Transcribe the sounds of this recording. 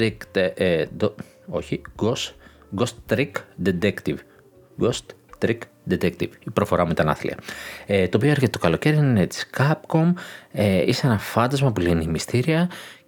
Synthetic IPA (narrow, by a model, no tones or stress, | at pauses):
ɾik | d̪ | o̞çiɡos | ɡost̪ɾikd̪et̪ekt̪iv | ɡost̪t̪ɾik | d̪et̪ek̚t̪ivipɾo̞fo̞ɾɐmuit̪ɐnɐ̰θlḭɐ̰et̪oːpio̞eɾçet̪e̞t̪okɐlo̞ce̞ɾiinet̪i̥skɐp̚ko̞meiseenɐfɐnd̪ɐzmɐpulinimist̪iɾiɐ